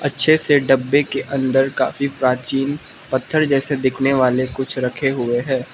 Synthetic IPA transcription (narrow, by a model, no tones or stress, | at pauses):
ɐtːʃʰeseɖɐbːekeʔɐ̃nd̪əɾka̰ːfipɾaːt͡ʃiːn | pɐt̪ʰːəɾd͡ʒɛːsed̪ɪkʰneʋaːlekʊt͡ʃʰɾɐkʰeɦʊeɦɛ̃ː